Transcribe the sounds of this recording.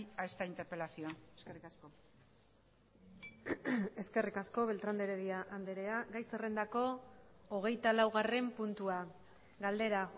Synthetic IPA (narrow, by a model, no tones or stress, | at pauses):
aest̪aint̪e̞ɾpe̞lasioaskerikasko | e̞ske̞rikaskoβe̞lt̪ɾand̪eɾeðiaʔand̪e̞ɾe̞aɡajsere̞nd̪ako̞ː | ɣ̞e̞jt̪alawɣ̞are̞mpunt̪ua | ɣald̪e̞ɾa